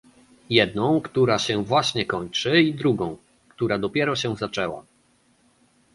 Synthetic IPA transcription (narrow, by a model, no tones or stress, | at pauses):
jɛd̪nɔ̃w̃kt̪uɾaɕɛvwaɕɲɛkɔɲt͡ʂɘid̪ɾuɡɔ̃w̃ | kt̪uɾad̪ɔpʲjɛɾɔɕɛzat͡ʂɛwa̰